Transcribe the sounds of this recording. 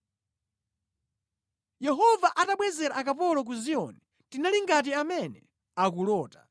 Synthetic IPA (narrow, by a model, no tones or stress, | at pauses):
jɛɦɔvaʔataɓwɛzɛɾaʔakapɔlɔk̬uziɔ̰nɛ | tinaliŋɡat̬iamɛnɛ | akulɔːtḁ